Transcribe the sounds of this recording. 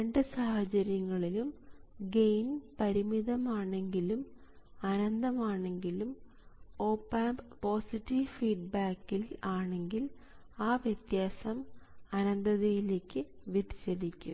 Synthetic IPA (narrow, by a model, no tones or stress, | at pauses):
ɾeɳɖɨsahɐt͡ɕɐɾjɐŋːɐɭilumɡejnpɐɾimiðɐmaːɳe̞ŋɡilumɐnɐnd̪ɐmaːɳe̞ŋɡilum | o̞ːpːaːmbpo̞ːsitːiʋfiːɖ̚baːkːilaːɳe̞ŋɡil | aːʋjɐt̪jaːsɐmɐnɐnd̪ɐðejileːkːɨʋit̪i̥ɕɐðikʲːṵ